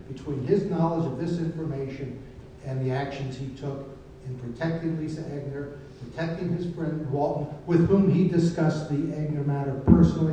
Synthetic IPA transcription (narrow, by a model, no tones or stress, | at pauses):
b̥ɨtʰw̥ĩnɪznɑlˠəd͡ʒʌvðɪsɪ̃ɱfə˞meɪʃɨ̃n | ɨ̃nðiækʃɨ̃n̩z̥itʰʊk | ɨ̃npʰɹ̥ɨtʰɛk̚tɪ̃ŋlisɨɛɡ̚nə˞ | pʰɹ̥ɨtʰɛk̚tɪ̃ŋɨz̥fɹɛ̃ndwɔlˠʔn̩wɪð̥hũmidɨskʌsðiæɡ̚nə˞mæɾʌv̥pʰɜ˞snl̩ˠi